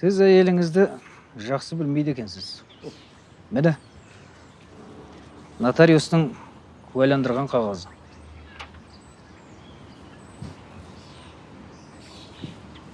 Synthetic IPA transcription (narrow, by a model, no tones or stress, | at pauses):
sɪzæje̞lɪŋɪzd̪ɪ | ʒɑqsəbɪlmejd̪e̞kʲe̞nsɪz̥ | mɪnɪ | nɑt̪aɾʲijust̪əŋ | kʰwæjlˠɑnd̪əɾʁɑɴqʰɑʁɑzə